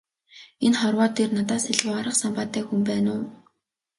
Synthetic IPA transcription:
enχɔrwɔːt̪ʰːernat̪aːsiɮʁʊːaɾə̆qsampaːt̪ːæːxumpæːnʊː

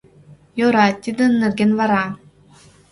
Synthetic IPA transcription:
joɾat̪ʲːid̪ɯnːɯrɡʲenvaɾa

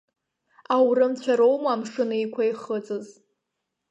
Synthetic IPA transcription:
awrɨmt͡ɕʷʰaɾowmaːmʂɨnaikʷʰaiχət͡sʼɨz

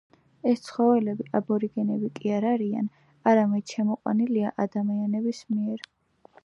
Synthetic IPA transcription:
ɛst̪sʰχɔvɛlɛbiʔabɔɾiɡɛnɛbikʼiaɾaɾia̰n | aɾamɛd̪̥ʃɛmɔqʼwa̰niliaʔad̪amianɛbismiɛɾ

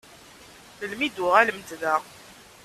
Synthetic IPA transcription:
θəlmid̪ʊʁæləmd̪ðæ

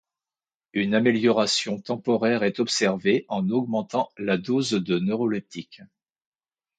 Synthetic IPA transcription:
ynameljɔʁasjɔ̃t̪ɑ̃pɔʁɛʁɛt̪ɔpsɛʁveʔɑ̃nɔɡmɑ̃t̪ɑ̃lad̪ozd̪ənøʁɔlɛp̚t̪ʰik

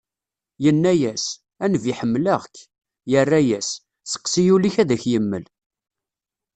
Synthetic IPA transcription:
jənːæjæs | ænəviħəmːləʁkː | jərːæjæs | sə̥qːsijuliçæðæçjəmːəl

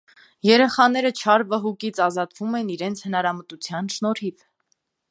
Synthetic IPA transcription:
jɛɾɛχɑnɛɾət͡ʃʰɑɾvəɦukit͡sʰɑzɑt̪vumɛniɾɛnt͡sʰhənɑɾɑmət̪ut͡sʰjɑnʃnɔɾhiv

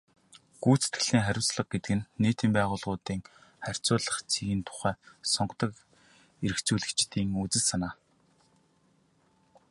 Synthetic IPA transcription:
ɡ̥uːt͡se̥t̪ɡɘ̆ɮiːŋχæɾʲʊ̆wst͡sɮə̆q̚ɡet̪ɘ̆kɘ̆nːeːt̪iːmpæːʁʊːɮʁʊːt̪iːŋχær̥ʲt͡sʊːɮə̆χt͡sʰiɣĭnt̪ʰʊ̥χæːsɔɴɢt̪ə̆k | eɾɘ̆kt͡suːɮɘ̆kt͡ɕt̪iːŋut͡sɘ̆ɮsanaː

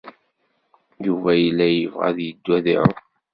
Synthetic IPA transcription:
juvæjəlːæjəvʁa̰ðjəd̪ːwæðḭ

